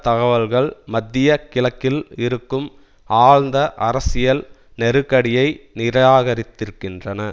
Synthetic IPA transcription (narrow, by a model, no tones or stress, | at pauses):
t̪ɐɣɐʋɐlɣɐɭmɐd̪ːɪjɐkɪlɐkːɪlɪɾɯkːɯm | aːɻnd̪ɐʔɐɾɐsɪjɐl | nɛɾɯkːɐɽɪjɐɪnɪɾɐjaːɣɐɾɪt̪ːɪɾɯkːɪndrɐnɐ